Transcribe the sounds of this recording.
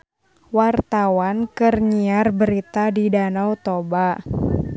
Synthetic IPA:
wart̪awankɨrɲiarbəɾit̪adidanawt̪obaʔ

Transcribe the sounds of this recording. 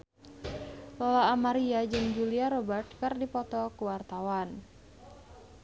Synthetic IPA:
lɔlaːmaɾiad͡ʒɨŋd͡ʒuliaɾɔbərt̪̚kɨrdipɔt̪ɔkuwart̪awan

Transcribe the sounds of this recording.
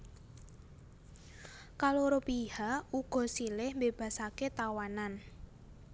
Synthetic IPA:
kaloɾopihauɡ̥ɔ̤silɪhmbeb̥a̤saket̪awanan

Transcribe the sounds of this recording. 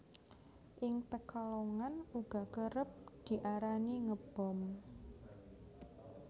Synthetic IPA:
ʔɪŋpəkalɔŋanuɡ̥a̤kəɾəp̚d̪̥i̤ʔaɾaniŋəb̥ɔ̤m

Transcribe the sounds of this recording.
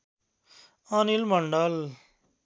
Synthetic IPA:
anilməɳɖal

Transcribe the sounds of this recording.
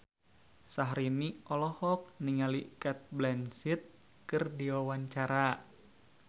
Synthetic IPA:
saɦɾiniɔlɔhɔk̚niŋalikɛt̪̚blɛnsit̪̚ | kɨrdiwawaɲt͡ʃaɾa

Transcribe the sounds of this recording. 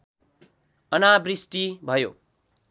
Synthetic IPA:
ʌnabrisʈibʱʌjo̰

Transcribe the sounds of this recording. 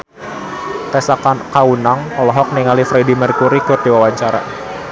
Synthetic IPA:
t̪ɛsakankaunaŋɔlɔɦɔk̚niŋalifɾɛdimərkuɾikʊrdiwawaɲt͡ʃaɾa̰

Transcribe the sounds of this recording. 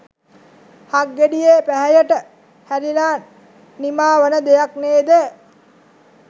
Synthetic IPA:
haɡːeɖijeːpæɦæjəʈə | hæɾinaː | nimaːʋənəd̪ejakneːd̪ə

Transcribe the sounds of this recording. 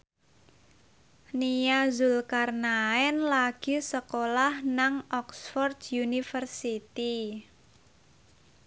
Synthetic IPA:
nijazʊlkarnaɛnlaɡ̥i̤səkolahnaŋʔɔksfɔrd̪̥junifərsit̪i

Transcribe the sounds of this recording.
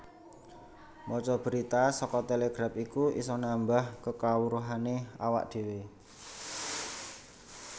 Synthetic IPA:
mɔt͡ʃɔb̥əɾit̪asɔkɔt̪eleɡ̥ɾapikuʔḭsɔnambahkəkawuɾuɦanea̰wa̰ʔ̚d̪̥e̤we

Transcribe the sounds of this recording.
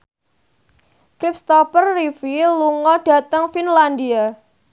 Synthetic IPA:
kɾip̚st̪ɔpərːifiluŋɔɖ̥ä̤t̪əŋfinland̪ia

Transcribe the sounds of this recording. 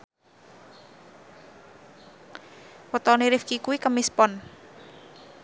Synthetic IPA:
wət̪ɔniɾifkikuwikəmispɔn

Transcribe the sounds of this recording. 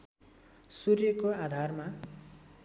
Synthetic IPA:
surjʌkoad̪ʱarma

